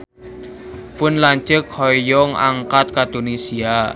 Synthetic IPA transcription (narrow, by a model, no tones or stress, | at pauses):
pʊnlaɲt͡ʃəkʰhɔjɔŋa̰ŋkat̪̚kad̪̥onisia